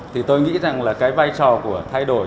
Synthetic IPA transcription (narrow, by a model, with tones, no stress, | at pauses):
t̪ʰi˨˩t̪o˧jŋḭ˧˥za˨˩ŋlaː˨˩kaː˨˦jvaː˧jt͡ɕɔ˨˩ku˧˩ət̪ʰa˧jɗo˧˩